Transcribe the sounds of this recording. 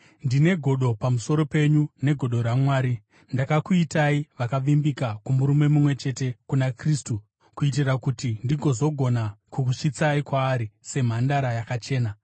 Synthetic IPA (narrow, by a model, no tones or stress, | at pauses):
ndine̞ɡʱo̞ɗo̞pamuso̞ɾo̞pe̞ɲune̞ɡʱo̞ɗo̞ɾamwaːɾi | ndakakuitaiʋakaʋimbikakumuɾume̞mumwe̞t͡ʃe̞te̞kunakristu | kuit̬irakutindiɡʱo̞zo̞ɡʱo̞nakukuʂit͡saikwaːɾise̞m̤andaɾajakat͡ʃe̞ːna